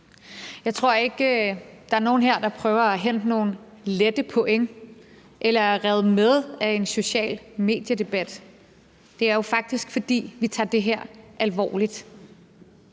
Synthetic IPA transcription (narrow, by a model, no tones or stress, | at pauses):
jɑɪt͡sʰʁo̝ɐ̰e̝ɡ̥d̥ɑ̈æɐno̝ːn̩ɦeɐ̰d̥ɑ̈pʰʁœːʊɐæɦen̰d̥no̝ːn̩ | led̥əpʰoʔeŋ | ʔelɐæʁɛð̞̩ˠmeð̞ˠæe̝nso̝ɕɛ̰ːlme̝̰ːd̥jəd̥e̝b̥æd̥ | d̥e̝æɐjo̝fɑ̈ɡ̥̚d̥isɡ̥fɒ̽d̥ḭːʋit͡sʰɑ̰̈d̥e̝ɦæɐ̰ʔælʋɒ̰ːlid̥